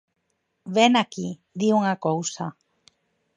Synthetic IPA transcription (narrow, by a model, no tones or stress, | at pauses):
βenaki | d̪iuŋakowsa